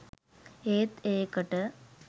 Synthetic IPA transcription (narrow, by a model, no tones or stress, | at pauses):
eːt̪eːkɐʈːɐ